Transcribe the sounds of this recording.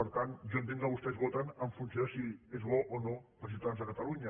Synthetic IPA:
əɾt̪anʒɔənt̪eŋkəβust̪ɛzɣot̪ənəɱfunsiosiezβɔʔonopɾəsit̪anzðəkət̪əluɲə

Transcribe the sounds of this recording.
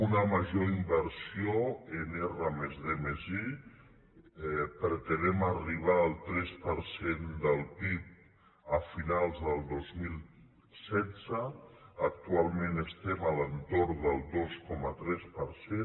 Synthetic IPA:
unəməʒoimbəɾsioenerəmezðemezi | pɾət̪ənɛməriβ̞aəlˠt̪ɾɛspəɾsend̪əlˠpip̚ | əfinalˠzðəlˠd̪ozmilˠ | sɛdd͡zəːk̚t̪ualˠmẽnəst̪ɛmələnt̪oɾd̪əlˠd̪oskɔmət̪ɾɛspəɾse

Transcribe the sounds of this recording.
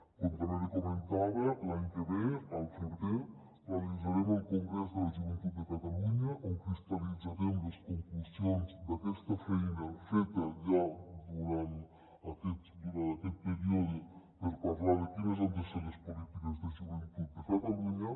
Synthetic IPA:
komk̪oneɾekoment̪aːɾelaŋkeɾealfuɾt̪e | alid̪zːaɾemoilkoŋɡɾɛs̬d̪elad͡ʒuvent̪ud̪ːekat̪aluɲaʔoŋkist̪alid̪zaɾemoleskoŋklusjonsd̪akwest̪afainaɱfet̪ːad͡ʒad̪uɾan | akːet̪d̪uɾaakːepeɾiod̪operparlaːɾekines̬ond̪eselespolit̪ikezd̪ed͡ʒuvent̪ud̪d̪ekat̪aluɲa

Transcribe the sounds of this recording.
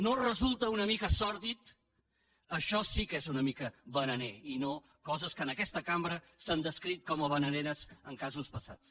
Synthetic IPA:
norəzulˠt̪əunəmikəsɔɾðit̪ | əʃɔsikezunəmikəβənəneino | kɔzəskənəkɛst̪əkambɾə | sand̪əskɾit̪̚kɔməβənəneɾəzəŋkazuspəsa̰t͡s

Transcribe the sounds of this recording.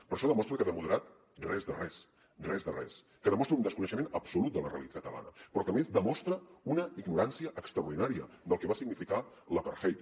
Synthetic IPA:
pəɾʃɔðəmɔst̪ɾəkəβɛmuðəɾat̪ | rɛzðərɛs | rɛzðərɛ̰s | kəðəmɔst̪ɾəund̪əskunəʃəmenəpsulut̪̚d̪ələrḛəlit̪at̚kət̪əla̰nəpɾɔkəmezd̪əmɔst̪ɾəunəiɡnuɾansiəʔːkst̪ɾəuɾðinaɾiə | d̪əlˠkəβasiɡnifika | ləpəɾxejt̪

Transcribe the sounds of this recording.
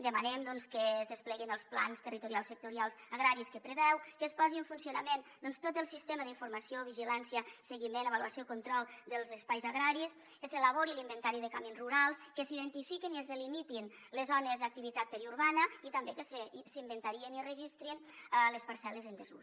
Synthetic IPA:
d̪əmanɛmd̪ɔnskəːzðəsplɛɣinəlˠspla̰nst̪ərit̪uɾialˠsːək̚t̪uɾialˠzaɣɾaɾiskəpɾəβɛwkəspɔziɱfunsiunəmend̪ɔnst̪ot̪əlˠsist̪eməðiɱfuɾmasioβiʒilansjəsəɣimenəβ̞aluasiokunt̪ɾɔlˠd̪əlˠzəspajzaɣɾaɾis | kəsələβ̞oɾilimbənt̪aɾiðəkamenruɾalˠskəsiðənt̪ifikiniəzðəlimit̪in | ləzɔnəzðək̚t̪iβit̪at̪̚pəɾiuɾβanəit̪ɐmbekəssimbənt̪aɾiənirəʒist̪ɾinləspaɾsɛləzənd̪əzṵ

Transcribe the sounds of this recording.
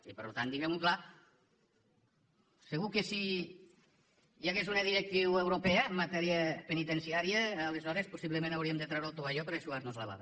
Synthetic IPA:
ipəɾlut̪and̪iɣɛmukla | seɣukesi | jaɣezunəðiɾek̚t̪iwewɾopɛəːmːat̪ɛɾiəpenit̪ensiaɾiəːlezɔɾespusiβləmẽnawɾiəmd̪ət̪ɾawɾolˠt̪oβaʎɔpeɾeʃuaznozləβa̰β

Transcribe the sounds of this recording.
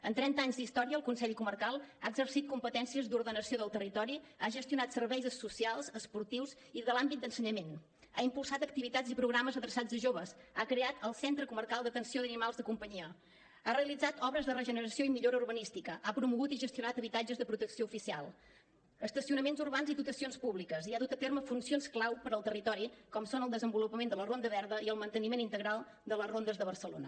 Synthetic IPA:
ənt̪ɾɛnt̪əaɲzd̪ist̪ɔɾiəlˠkunsɛʎkumərkalˠaəɡzərsit̪̚kumpət̪ɛnsiəzd̪uɾðənəsijoðəlˠt̪ərit̪ɔɾiaʒəst̪iunat̪sərβɛjzəsusialˠzəspuɾt̪iwz | iðəlambit̪d̪ənsəɲəmen | a̰impulˠsat̪ək̚t̪iβit̪ad͡zipɾuɣɾaməzəðɾəsad͡zðəʒoβəsakɾeat̪əlˠsɛnt̪ɾəkumərkalˠd̪ət̪ənsioðənimalˠzðəkumpəɲiə | areəlid͡zat̪ʰɔβɾəzðərəʒənəɾəsioimiʎoɾəurβənist̪ikəʔapɾumuɣut̪iʒəst̪iunat̪əβit̪ad͡ʒəzðəpɾut̪əksioufisialˠ | əst̪əsiunəmenzurβanziðut̪əsionspuβlikəziaðut̪ət̪eɾməfunsionsklawpəɾəlˠt̪ərit̪ɔɾikɔmsonəlˠd̪əzəmbulupəmend̪ələrond̪əβɛɾðəiəlˠmənt̪ənimenint̪əɣɾalˠ | d̪ələzrond̪əzðəβərsəlo̰nə

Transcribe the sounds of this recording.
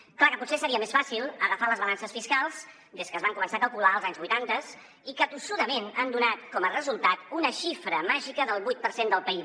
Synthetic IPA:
klakəput̪sesəɾiəmesfasilˠəɣəfaləzβəlansəsfiskalˠz | d̪eskəːzβaŋkumənsakəlˠkulaəlˠzaɲzβujt̪ant̪əs | ikət̪usuðəmenand̪unat̪kɔmərəzulˠt̪at̪unəʃifɾəmaʒikəðəlˠβujt̪̚pəɾsend̪əlˠpəi

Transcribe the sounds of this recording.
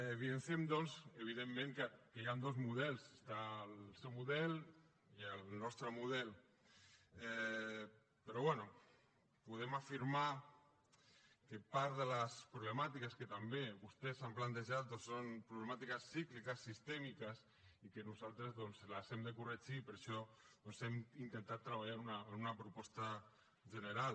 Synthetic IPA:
βiensemd̪ɔnseβ̞iðemːẽŋkəkejand̪ozmuðɛlˠsest̪aːlsɛwmuðɛl | iəlnɔst̪ɾəmuðɛl | ɛ | pəɾɔβwɛnu | puðemafiɾma | kepaɾðələspɾuβləmat̪ikəskət̪ambeβust̪ɛsamplant̪əʒat̪̚d̪ɔnsonpɾuβləmat̪ikəsːiklikəsːist̪ɛmikəs | ikənuzalˠt̪ɾəzðɔnzləzɛmd̪əkured͡ʒipəɾʃɔðɔnsɛmint̪ənt̪at̪ːɾəβaʎaɾunaːnunapɾupɔst̪a | ʒənəɾal

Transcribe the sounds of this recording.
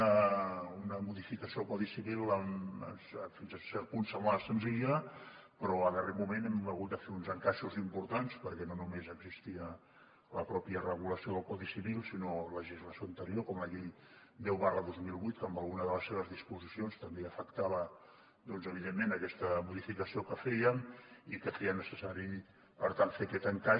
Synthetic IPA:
əunəmuðifikəsiokɔðisiβilˠəmə̰sfinzəsɛpunsəmasənziʎə | pəɾɔəðəreɾmumenɛməɣ̞ut̪̚d̪əfeunzəŋkaʃuzimpuɾt̪anspəɾkɛnonumezəɡzist̪iə | ləpɾɔpiərəɣ̞uləsioðəlˠkɔðisiβilˠsinoləʒizləsijoənt̪əɾiokɔmləʎej | d̪ɛwβarləðozmilˠβujt̪̚kəmbəlˠɣunəðələsːeβ̞əzðispuzisionst̪əmbeəfəkt̪aβ̞ə | d̪ɔnzəβ̞iðemːenəkɛst̪əmuðifikəsiokəfɛjəmikəfeənəsəsaɾi | pəɾt̪anfeəkɛt̪əŋka

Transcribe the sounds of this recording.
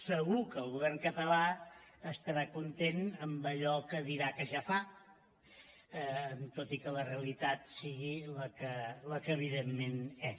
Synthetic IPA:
səɣukəːlˠɣuβɛrŋkət̪əlaəst̪əɾakunt̪enəmbəʎɔkəðiɾakəʒafa | nt̪ot̪ikələreəlit̪at̪siɣiləkələkəːβ̞iðemːenɛ

